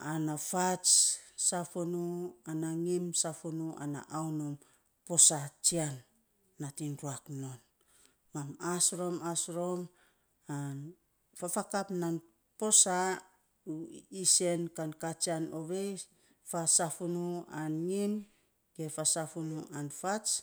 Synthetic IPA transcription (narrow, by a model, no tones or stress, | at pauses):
anafat͡ʃsafunuanaŋimsafunua̰na̰ʔawnom | po̞sat͡ʃianː | atinɾuaknon | mamasɾo̞masɾo̞m | an | fafakapnan | po̞sa | uise̞nkankat͡ʃianoβej | fasafunuanŋim | ke̞fasafunuʔanfat͡ʃ